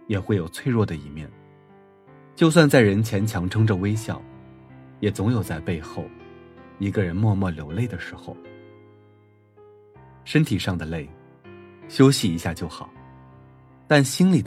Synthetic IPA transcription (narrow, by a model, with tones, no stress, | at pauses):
jɛ˨˩xwe˥˩ɪjo˨˩ʊt͡sʰwe˥˧ɪɻwɔ˥˩d̪ə˩i˧˩mjɛ̰˥˩n | t͡ɕjo˥˧ʊs̬wa˥˧nt͡sa˥˩ɪɻə˧˥nt͡ɕʰjɛ˧˥nt͡ɕʰjɑ˧˥ŋʈ͡ʂʰɤ˥ŋʈ͡ʂə˨we˥ɪɕjɑ˥˩ʊjɛ˨˩t͡sʊ˧˥ŋjo˨˩ʊt͡sa˥˧ɪpe˥˧ɪxo˥˩ʊi˧˥ɡə˧ɻə˧˥nmwɔ˥˧mwɔ˥˩ljo˨˩ʊle˥˩ɪd̪ə˩ʂɻ̩˧˥xo˧ʊ | ʂə˥nt̪ʰi˨˩ʂɑ˥˩ŋd̪ə˩le˥˩ɪ | ɕjo˥ʊɕi˨˩i˧˥ɕja˥˧t͡ɕjo˥˩ʊxɑ˨˩˦ʊ | t̪a˥˩nɕi˥nli˨˩d̪